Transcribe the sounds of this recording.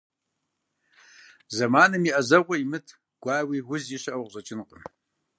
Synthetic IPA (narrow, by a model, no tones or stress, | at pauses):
zɐmaːnɨmiːʔɐzɐʁʷɔjimɨtʰ | ɡ̥ʷɑːwiːwʊziɕɐʔɐwʁʑʼɐt͡ʃʼɪnqʼə